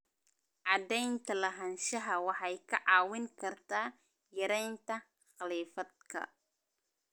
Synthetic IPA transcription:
ʕɑd̪ɛjnt̪ʰɐlɐɦɐnʃɐɦɐwɑħɑjkʰɐʕɑːwɪŋkʰɐrt̪ʰaː | jɐɾɛjnt̪ɐ | χɑliːfɐd̪̚kʰɐ̰

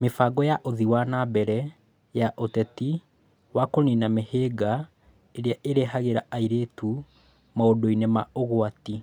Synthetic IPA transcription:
mefaɡɔjaʔoðiwanabɛɾɛ | jaʔotɛti | wakoninameheːɡa | eɾeaʔeɾeɦaɣeɾaaiɾetu | maodoinemaoɣoati

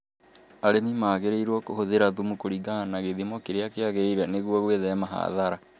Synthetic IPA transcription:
aɾemimaːɣeɾeiɾwɔkohoðeɾaðumukoɾiɡanaɣeðimɔkeɾeakeaɣeɾeiɾaneɣwɔɣweðɛmaɦa̰ðaɾa

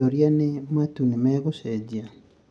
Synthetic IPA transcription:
oɾjanemwatunimɛːɣused͡ʑia

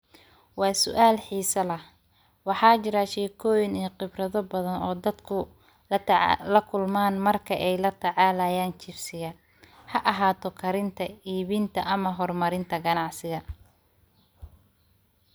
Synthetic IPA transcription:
wɑːsʊ̰ʔaːlħiːsɐlɐh | wɑħɑːt͡ʃɪɾaʃɛːkʰɔːjɪniːqɪbrɐðɔbɐðɐnɔːd̪ɐd̪kʰʊ | lɐkʰʊlmaːnmɐrkʰɐʔɛjlɐt̪ʰɑʕɑːlaːjaːnt͡ʃɪfsɪɣɐ | hɐʔɐɦaːt̪ʰɔkʰɐɾɪnt̪ʰɐiːβint̪ʰɐʔɐmɐɦɔrmɐɾɪnt̪ʰɐɡɐnɑʕsɪɣɐ

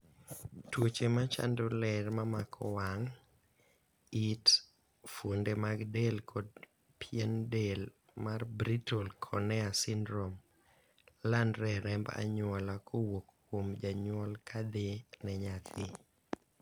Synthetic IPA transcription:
twot͡ʃemat͡ʃa̰ndolɛrmamakʰɔwaŋ | it | fwondemaɡdelkʰɔd | pʰjɛndel | marbɾitʰɔlkʰɔnɛasindɾom | landɾɛɾɛmba̰ɲwɔlakʰowokːwomd͡ʒaɲwɔlkʰad̪enɛɲat̪ʰɪ

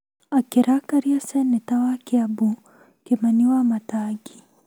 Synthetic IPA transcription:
akiɾakaɾiasɛnɛtawakiabu | kimaniwamataɡi

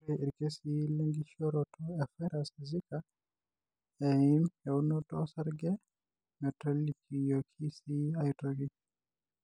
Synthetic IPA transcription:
eiɾkesilɛŋɡiʃɔɾɔtʰɔɛfɛɾasizika | ɛinɛunɔtɔsaɾɡɛ | mɛtɔlikʰijɔkʰisiajitɔɡi

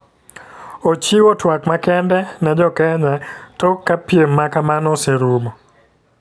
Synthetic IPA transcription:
ot͡ʃiwotwakmakɛndɛnɛd͡ʒɔkɛɲatɔkːapjemːakamanɔseɾumɔ

